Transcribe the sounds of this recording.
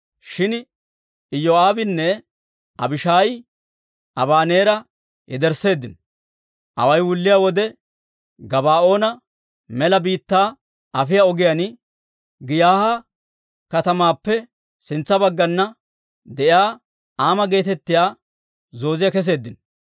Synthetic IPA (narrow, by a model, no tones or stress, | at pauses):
ʃɪn | ɪjoːaːbɪnːɛ | ʔɐ̰bɪʃaːjɪ | ʔɐbaːne̞ːɾɐ | jɛd̪ɛɾse̞ːd̪ːɪn | ʔɐ̰wɐjwʊlːɪjaːwɔd̪ɛ | ɡɐbaːʔo̞ːnɐ | mɛlɐbiːt̪ːaː | ʔɐfɪjaɔɡɪjɐn | ɡɪjaːhɐ | kɐt̪ɐmaːpːɛ | sɪnt͡sːɐbɐɡːɐnːɐ | d̪ɛʔjaː | aːmɐɡe̞ːt̪ɛt̪ːɪjaː | zo̞ːzɪjɐkɛs̬e̞ːd̪ːɪn